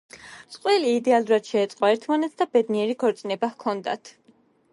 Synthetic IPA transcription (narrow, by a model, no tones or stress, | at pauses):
sʼqʼwɛliːd̪ɛalˠuɾad̪̥ʃɛːt̪sʼqʼɔɛɾt̪ʰmanɛt̪sʰd̪abɛd̪niɛɾiɡʰɔɾt̪sʼnɛbakʰɔnd̪a̰t̪ʰ